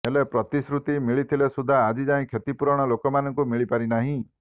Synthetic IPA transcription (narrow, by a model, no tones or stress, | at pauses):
elepɾɔt̪isɾut̪imiɭit̪ʰilesud̪ʱːaːd͡ʒid͡ʒaĩkʰet̪ipuɾɔɽ̃ɔlokɔmanɔŋkumiɭipaɾinaɦĩ